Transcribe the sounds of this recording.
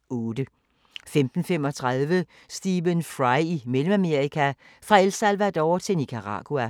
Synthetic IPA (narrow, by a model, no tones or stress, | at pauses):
ɔːd̥ə | femd̥n̩femɒ̽t͡sʰʁɑð̞ˠʋə | sd̥iːʋənfʁɑɪimelm̩æme̝ɐʁikʰæ | fʁɑ̈elsælʋæd̥ɒʊt͡sʰe̝nikʰɑʁɑ̰̈ɡ̥uæ